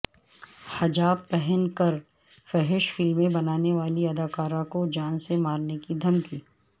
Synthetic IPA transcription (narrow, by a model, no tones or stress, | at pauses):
hɐd͡ʒaːbpɛɦɛnkɐɾ | fɛɦɪʃfɪlmẽbɐnaːneʋaːliɐd̪aːkaːɾãkod͡ʒaːnsemaːɾnekid̪ʱɐmkiː